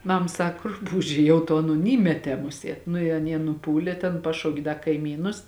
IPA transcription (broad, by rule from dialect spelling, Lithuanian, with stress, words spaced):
ˈmɐm ˈsɐk ˈrʊpuːʒʲeː ˈjɛʊ toː ˈɑːˌnoːn ˈiːmʲɛtʲɛː ˈmʊˌsʲiɛt ˈnʊ ɪ ɐˈnʲiɛ nʊˈpuːlʲeː tʲɛn ˈpɑːʃɐʊkʲeː ˈdɐ kɐɪˈmʲiːnʊs